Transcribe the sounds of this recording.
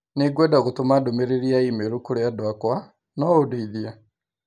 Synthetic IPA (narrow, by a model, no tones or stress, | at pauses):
neɡwɛdaɣotomadomeɾeɾiaimeɾukoɾeadwakwa | nɔodeiðia